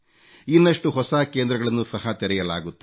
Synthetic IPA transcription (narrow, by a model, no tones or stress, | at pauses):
inːɐʂʈuɦɔsaːkeːnd̪ɾɐɡɐɭɐnːusɐɦɐt̪ɛɾɛjɐla̰ːɡut̪ːe